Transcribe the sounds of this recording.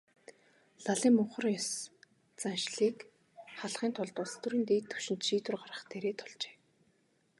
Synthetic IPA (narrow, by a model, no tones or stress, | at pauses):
ɮaɮiːmːʊɴχə̆rjɔs | t͡sanʃɮiːk | χaɮχiːnt̪ʰɔɮt̪ʊɮt̪uɾiːnt̪eːt̪ʰːɵ̥wʃɪ̆nt̪ʃiːt̪ʊ̆rɢarə̆χt̪ʰeːɾeːt̪ʰʊɮt͡ɕe̥ː